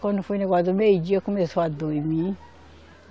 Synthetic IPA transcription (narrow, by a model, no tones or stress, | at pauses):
kɔnifuinɛɡadomeid͡ʒiekumɛswadoimĩ